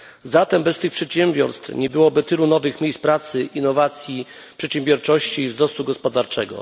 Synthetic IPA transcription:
zat̪ɛmbɛst̪ɘxpʂɛt̪ɕɛmbʲjɔɾst̪fɲɛbɘwɔbɘt̪ɘlunɔvɘxmʲjejspɾat̪sɘʔinːɔvat̪sʲji | pʂɛt̪ɕɛmbʲjɔɾt͡ʂɔɕt͡ɕiːvzɾɔst̪uɡɔspɔd̪aɾt͡ʂɛɡɔ̰

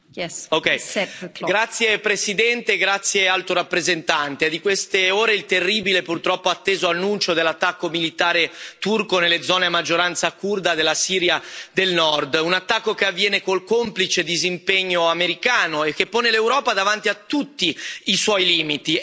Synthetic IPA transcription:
okɛjɡɾat̪sːjepɾesid̪ɛnt̪eɡɾat̪sːjealt̪oɾapːɾezent̪ant̪ed̪ikwest̪eoːɾeilt̪erːiːbilepurt̪ɾɔpːoat̪ːeːzoanːunt͡ʃod̪elːat̪ːakːomilit̪aːɾet̪urkonelːed̪zɔːneamad͡ʒːoɾant̪sakurd̪ad̪elːasiːɾjad̪elnɔrd̪unat̪ːakːokeavːjɛːnekolkomplit͡ʃed̪izimpeɲːoameɾikaːnoek̟ːepːoːnelewɾɔːpad̪avant̪iat̪ːut̪ːiiswɔjliːmit̪i

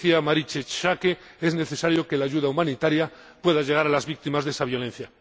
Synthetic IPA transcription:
iamaɾit͡ʃet͡ʃakee̞zne̞θe̞saɾjo̞ke̞laːʝuðaumãnit̪aɾjapwe̞ðaʝe̞ɣ̞aɾalazβik̚t̪imazðe̞saβjo̞le̞n̟θja

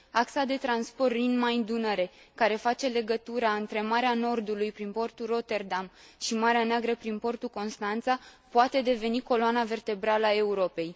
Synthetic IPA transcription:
aksad̪e̞t̪ɾanspo̞rlinmaind̪unəɾe̞ | kaɾe̞fat͡ʃe̞le̞ɡət̪uɾaɨnt̪ɾe̞maɾeano̞rd̪ulujpɾinpo̞rt̪uro̞t̪e̞rd̪amʃimaɾeaneaɡɾəpɾinpo̞rt̪uko̞nst̪ant̪sapoat̪e̞d̪e̞ve̞niko̞loanave̞rt̪e̞bɾaləae̞uɾo̞pe̞j

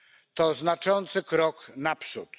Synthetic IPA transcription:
t̪ɔznat͡ʂɔnt̪sɘkɾɔknapʂut̪

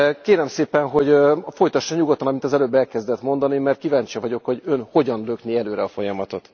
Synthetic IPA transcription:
keːɾɛmseːpɛnɦo̞ɟfo̞jt̪ɒʃːɒɲuɡot̪ːɒnɒmint̪ɒzɛløːbːɛlkɛzd̪ɛt̪mo̞nd̪ɒnimɛrt̪̚kivaːɲt͡ʃijɒvɒɟo̞kho̞ɟø̞nho̞ɟɒnløkniɛløːɾɛɒfo̞jɒmɒt̪o̞t̪

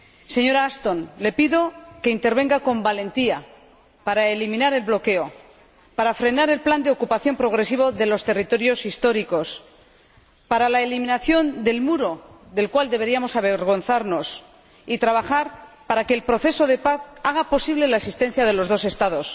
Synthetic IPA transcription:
se̞ɲo̞ɾaast̪o̞nle̞piðo̞ke̞int̪e̞ɾβ̞e̞ŋɡako̞mbale̞nt̪ia | paɾaelimĩnaɾe̞lβlo̞ke̞o̞ | paɾafɾe̞naɾe̞lpland̪eo̞kupaθjo̞mpɾo̞ɣ̞ɾe̞siβo̞ðe̞lo̞st̪e̞rit̪o̞ɾjo̞sist̪o̞ɾiko̞s | paɾalaelimĩnaθjo̞nd̪e̞lmuɾo̞ðe̞lkwald̪e̞β̞e̞ɾiamo̞saβeɾɣ̞o̞nθaɾno̞s | it̪ɾaβaxaɾ | paɾake̞ːlpɾo̞θe̞so̞ðe̞paθaɣ̞apo̞siβ̞le̞laesist̪e̞n̟θjaðe̞lo̞zðo̞se̞st̪aðo̞s

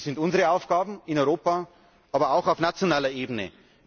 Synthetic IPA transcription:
z̥ɪntʊnzəʁəaʊfɡ̥aːbm̩ɪnɔʏʁoːpa | ʔaːbɐaʊxaʊfnat͡sjonaːlɐʔeːbənə̰

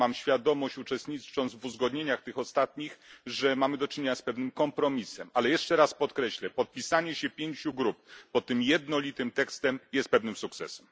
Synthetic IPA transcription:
amɕfʲjad̪ɔmɔɕt͡ɕut͡ʂɛst̪ɲit͡ʂɔnzvuzɡɔd̪ɲeɲaxt̪ɘxɔst̪at̪ɲixʐɛmamɘd̪ɔt͡ʂɘɲeɲaspɛvnɘmkɔmpɾɔmʲisɛmalɛjɛʂt͡ʂɛɾaspɔt̪kɾɛɕlɛpɔt̪̚pʲisaɲɛɕɛpʲjeɲt͡ɕuɡɾup̚pɔt̪ːɘmjɛd̪nɔlʲit̪ɘmt̪ɛkst̪ɛmjɛst̪̚pɛvnɘmsuk̚t̪sɛ̰sɛm

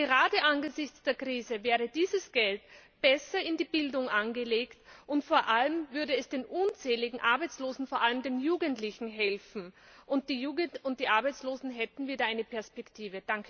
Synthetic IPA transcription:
ɡ̥əʁaːdəʔanɡəzɪçt͡sd̥eːɐkʁ̥iːzəvɛːʁ̞ədiːzəsɡ̥ɛltb̥ɛsɐɪndiːbɪldʊŋʔanɡəleːktʔʊntfoːɐʔaləmvʏɐdɾəɛsd̥eːnʔʊnt͡sɛːlɪɡŋ̩ʔaɐbaɪt͡sloːzn̩foɐʔaləmdeːnjuːɡəntlɪçn̩ɦɛlfn̩ʔʊnt̚d̥iːjuːɡəʊnt̚d̥iːʔaɐbaɪt͡sloːzn̩ɦɛtn̩viːdɐaɪnəpʰɛɐspɛktʰiːvəd̥aŋk

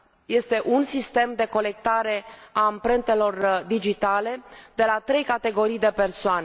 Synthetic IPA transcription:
je̞st̪e̞ʔunsist̪e̞md̪e̞ko̞le̞k̚t̪aɾe̞aːmpɾent̪e̞lo̞rd̪id͡ʒit̪ale̞d̪̥e̞lat̪ɾe̞jkat̪e̞ɡo̞ɾijd̪e̞pe̞rsoane

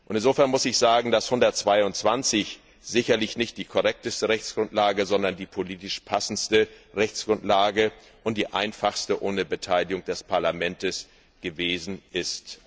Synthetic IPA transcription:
ʔʊntɪnzoːfɛɐnmʊsɪçz̥aːɡŋ̩d̥ashʊndɐtt͡sv̥aɪʊnt͡sv̥ant͡sɪç | z̥ɪçɐlɪçnɪçt̚d̥iːkʰɔʁɛk̚təstəʁɛçt͡sɡ̥ʁʊntlaːɡəzɔndɐndiːpʰoliːtɪʃpʰasn̩stəʁɛçt͡sɡ̥ʁʊntlaːɡə | ʔʊntd̥iːʔa̰ɪnfaχstəʔoːnəbətʰaɪlɪɡʊŋd̥ɛspʰaɐlamɛntəs | ɡ̥əveːzn̩ʔɪst

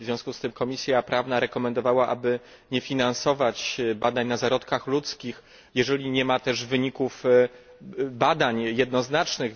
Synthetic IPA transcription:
vzʲjɔ̃skust̪ɘmkɔmʲisʲjapɾʔavnaɾɛkɔmɛnd̪ɔvawaʔabɘ | ɲɛfʲinansɔvat͡ɕbad̪aɲnazaɾɔt̪kaxlut̪skʲix | jɛʐɛlʲiɲɛmat̪ɛʐvɘɲikuf | bad̪aɲjɛd̪nɔznat͡ʂnɘx

